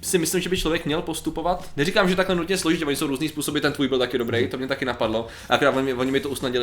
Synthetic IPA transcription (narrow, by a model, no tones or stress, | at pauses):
sɪmɪslɪmʒɛbɪt͡ʃlo̞vjɛkmɲɛlpo̞st̪upo̞vat̪nɛrikaːmʒɛt̪aklɛnut̪ɲɛslo̞ʒɪt̪cɛoɲɪsowɾuːzniːspuːso̞bɪt̪ɛnt̪vuːjbɪlt̪akɪdobɾejt̪omɲɛt̪akɪnapadlo̞ | ʔaʔakoɾaːt̪voɲɪɪvoɲɪmɪt̪ousnaɟɪlɪ